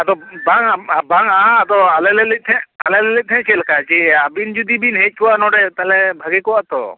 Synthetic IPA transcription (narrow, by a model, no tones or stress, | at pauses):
at̪ɔbaŋaabaŋaːt̪ɔalɛlɛlɛt̪ʰɛ̃alɛlɛlɛt̪̚t̪ʰɛ̃t͡ʃɛlkat͡ʃɛabind͡ʒud̪ibinɦɛc̪̚kuwanɔɖɛt̪alɛbʱaɡɛkɔwaʔt̪ɔ̰